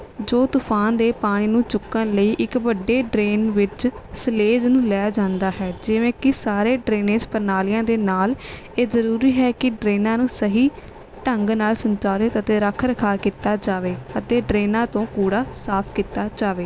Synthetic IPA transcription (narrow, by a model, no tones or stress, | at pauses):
d͡ʒoːt̪ʊpʰaːnd̪eːpaːɽ̃iːnũːt͡ʃʊkːənləiːʔɪkʋəɖːeːɖɾeːnʋɪt͡ʃsəleːd͡ʒnũːlɛːaːd͡ʒãːnd̪aːɦɛːd͡ʒɪʋẽːkɪsaːɾeːɖɾeːnẽːspəɾnaːlɪjãːd̪eːnaːl | eːzəɾuːɾiːɦɛːkɪɖɾeːnãːnũːsəɦiː | ʈəŋɡnaːlsəɲt͡ʃaːlɪt̪ət̪eːɾəkʰɾəkʰaːkiːt̪aːd͡ʒaːʋeːət̪eːɖɾeːnãːt̪õːkuːɽaːsaːpʰkiːt̪aːd͡ʒaːʋeː